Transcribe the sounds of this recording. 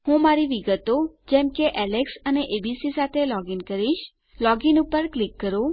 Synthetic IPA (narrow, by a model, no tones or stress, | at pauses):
hũmaɾiʋiɡət̪od͡ʒɛmkeʔɛleksəneʔebisisat̪ʰelɔɡinkəɾiʃ | lɔɡinupəɾklikːəɾo